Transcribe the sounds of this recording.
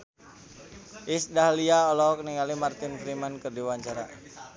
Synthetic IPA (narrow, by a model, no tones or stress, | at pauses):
ʔisdahliaɔlɔkniŋalimart̪infɾimankərdiwaɲt͡ʃaɾa̰